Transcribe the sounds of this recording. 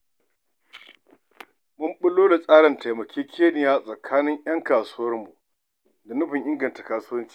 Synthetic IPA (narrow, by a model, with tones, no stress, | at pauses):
mʊ˦mɓʊ˦loː˦da˨sʼaː˦ɽɐ˨nta˨jmɐ˨kʲʰeː˦kʲʰeː˦nɪ˨jaː˦sʼɐ˨kʰaː˦nɪ˦ɲj̰ɐ˦ŋkaː˨suː˦wɐ˦rmu˨ | da˨nʊ˦ɸɪ˨ŋʔɪ˦ŋɡɐ˨nta˨kaː˨suː˦wɐ˦nt͡ʃi̥˦˨